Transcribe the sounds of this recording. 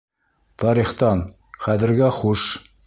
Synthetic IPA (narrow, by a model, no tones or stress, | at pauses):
t̪ɑɾiχt̪ɑn | χæðɘ̆ɾɡæχuʃ